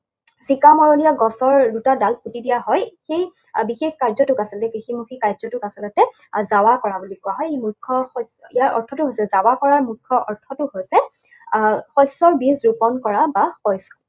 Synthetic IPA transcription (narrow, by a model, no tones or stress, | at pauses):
sikamɔɹoniaɡɔsɔɹdutadalputidijaɦɔjxej | bixexkaɹzɔtʊkasɛlɔtɛkiximukʰikaɹzɔtʊkasɛlɔtɛ | zawakɔɹabulikʊaɦɔjemuɹkʰːɔxɔjsijaɹʔɔ̰ɹtʰɔtʊɦojsɛzawakɔɹaɹmukʰːɔʔɔɹtʰɔtʊhojsɛ | xɔjsɔɹbizɹupɔnkɔɹabaxɔjsɔ̥